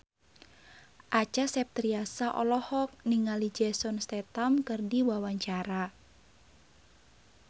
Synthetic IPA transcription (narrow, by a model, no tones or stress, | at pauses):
ʔat͡ʃasɛp̚t̪ɾiasaʔɔlɔhɔk̚niŋalid͡ʒɛsɔnst̪ɛt̪amkɨrdiwawaɲt͡ʃaɾa